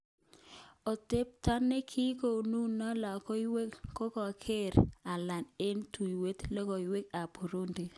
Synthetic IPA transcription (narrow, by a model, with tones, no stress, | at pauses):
o˨te˦p̚ta˦nːe˦kʰi˦ko˨nu˦nɔ˦la˨ko˦i˦we˦kko˦kɔ˨kʰe˦ɾa˨la˨ne˦ntu˨jwe˦t̪lɔ˦kɔ˨i˨we˦ka˨po˨ɾo˦nde˨